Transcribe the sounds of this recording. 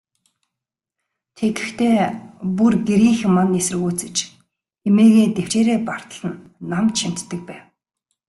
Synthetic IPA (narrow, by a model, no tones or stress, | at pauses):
t̪ʰet̪ɘ̆xt̪ʰeːpurɡeɾiːŋxmːanesɘ̆ɣuːt͡sɘ̆t͡ɕ | emeːɣeːt̪ew̥t͡ɕeːɾeːpar̥t̪ə̆ɮə̆nːamt̪ʃin̥t̪ːɘ̆k̚pæːw